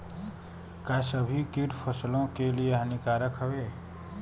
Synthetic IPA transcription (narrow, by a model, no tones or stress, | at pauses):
kasəbʱikiʈpʰəslõkelijeɦənikaːɾəkɦəʋeː